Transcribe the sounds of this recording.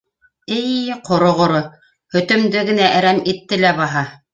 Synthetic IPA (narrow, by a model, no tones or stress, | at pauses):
ɘjqʰŏɾŏʁŏɾo | hɵ̆t̪ɵ̆md̪ɘɡɘ̆næʔæɾæmit̪ːɘlæbɑɦɑ